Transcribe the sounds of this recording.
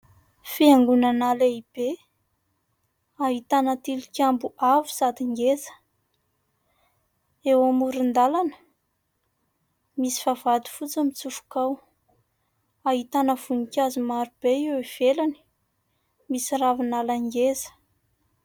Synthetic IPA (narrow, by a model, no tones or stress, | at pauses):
fiaŋɡunanaleib̥e | aɦit̪anat̪ilikʲambuʔavu̥zad̪iŋɡezə̥ | ewamuɾind̪alanə̥ | misi̥favad̪u̥fut͡səmit͡sufu̥kaw | aɦit̪anəv̥unikʲazumaɾub̥eiwiv̥elani̥ | misiravinalaŋɡezə̥